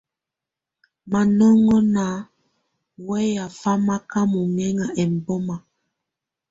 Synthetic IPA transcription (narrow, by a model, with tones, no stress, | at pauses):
ma˨nɔ˦ŋɔ˦na˨˦ | wɛ˦ja˨fa˦ma˦ka˦mu˨ŋɛ˦ŋa˨ʔɛ˨m̩˨bɔ˦ma˨